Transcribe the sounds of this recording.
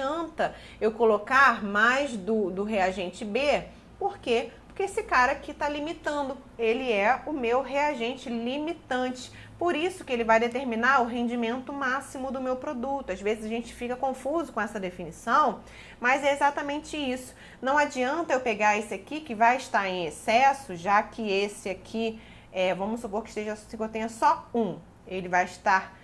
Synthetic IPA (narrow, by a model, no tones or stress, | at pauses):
ɐ̃nt̪ɐ | ewkolokaɾmajzd̪ʊd̪ʊɦeaʒẽnt͡ʃɪbe | poɾkepoɾkeesɪkaɾɐkɪt̪alimit̪ɐ̃nd̪ʊ | elɪɛʊmewɦeaʒẽnt͡ʃɪlimit̪ɐ̃nt͡ʃɪ̥ | poɾisʊkɪelɪvajd̪et̪eɾmĩnaɾʊɦẽnd͡ʒimẽnt̪ʊmasimʊd̪ʊmewpɾod̪ut̪ʊazvezɪzaʒẽnt͡ʃɪ̥fikɐkõfuzʊkõɛsɐd̪efinisɐ̃w̃ | mazɛezat̪ɐmẽnt͡ʃɪisʊ̥ | nɐ̃w̃ad͡ʒiɐ̃nt̪ɐewpeɡaɾesɪakikɪvajɪʃt̪aɾẽj̃esɛsʊʒakɪesɪakʰi | ɛvɐ̃mʊsupoɾkɪʃt̪eʒɐsĩkowt̪ẽɲɐsɔũ | elɪvajɪʃt̪aɾ